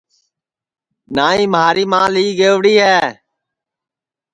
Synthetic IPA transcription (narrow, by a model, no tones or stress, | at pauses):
naːĩːməɦaːɾiːmãːliːɡeːʋɽiːɦɛː